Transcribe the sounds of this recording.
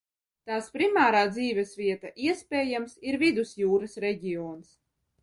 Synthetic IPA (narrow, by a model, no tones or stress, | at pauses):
t̪aːspɾimaːɾaːd̪ziːvʲɛsvʲiɛt̪aʔiɛspʲɛːjamsiɾvid̪usjuːɾasɾɛɟʲiɔːns